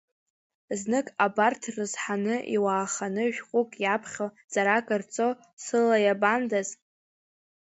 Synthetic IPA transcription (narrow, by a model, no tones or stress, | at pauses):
znɨkʼabartʰrɨzħanɨʔḭwaːχanɨʒᶣχʷʼʊkʼjapʰχʲo | z̥aɾakʼɨrt͡sʼo | sɨlajabandaz